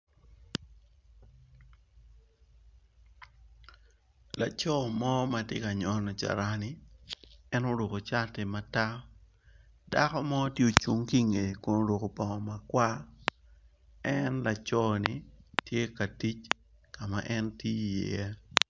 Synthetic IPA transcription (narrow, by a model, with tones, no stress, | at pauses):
la˨t͡ʃɔ˦˨mɔ˦ma˨tje˦ka˨ɲɔ˨˦nɔ˨t͡ʃa̰˨ɾa˦ni˨ | ɛ˦no˦lo˨ko˨t͡ʃa˦tɪ˨ma˨ta˦ | da˦kɔ˦mɔ˦tje˦o˨t͡ʃu˦ŋki˦ŋe˨ko˨no˦lo˨ko˨pɔ˨ŋɔ˨ma˨kwa˦ | ɛnla˨t͡ʃɔ˦ni˨tje˦ka˨ti˦t͡ʃ | ka˨ma˨ʔɛ˦nti˦˨jḛ˨ɛ˦